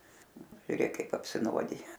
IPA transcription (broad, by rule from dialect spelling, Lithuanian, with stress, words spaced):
ʒʲʊˈrʲeːk ˈkɐɪp ɐpʲsʲɪˈnuɔdʲɪjɛ